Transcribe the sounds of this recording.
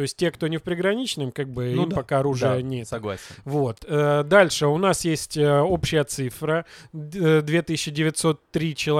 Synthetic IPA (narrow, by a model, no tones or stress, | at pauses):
ojɪsʲtʲtʲːe̞kt̪o̞nʲɪfpɾʲɪɡɾɐnʲit͡ɕnɨmkaɡ̚bɨimpɐkaɐɾuʐɨjənʲet̪sɐɡlˠasʲvo̞t̪ːd̪alʲʂɨʊnasjesʲtʲəo̞pɕːɪjət̪sɨfɾə | d̪vʲe̞t̪ɨsʲɪɕːɪdʲɪvʲɪtʲso̞t̪ːɾʲit͡ɕɪlˠɐ